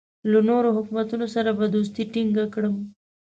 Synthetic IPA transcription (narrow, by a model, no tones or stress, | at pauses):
lanoɾoɦʊkmat̪unosaɾabad̪os̬t̪iʈiŋɡakɽəm